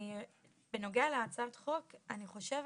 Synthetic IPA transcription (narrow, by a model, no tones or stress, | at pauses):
i | beno̞ɡɛaleat͡sat̪χo̞kaniχo̞ʃe̞v